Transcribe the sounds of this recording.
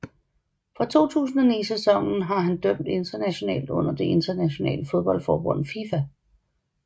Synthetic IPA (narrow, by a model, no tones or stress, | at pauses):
fʁɑ̈t͡sʰo̝̰ːt͡sʰṵːsn̩æniːsesɒ̽ŋ̰n̩ɦɑ̈ɦænd̥œm̰d̥e̝nd̥ɐnæɕo̝nɛ̰ːld̥ɔ̽n̰ɐd̥e̝ʔe̝nd̥ɐnæɕo̝nɛ̰ːləfo̝ð̞ˠb̥ɒ̽ld̥fɒːb̥ɔ̽n̰fifæ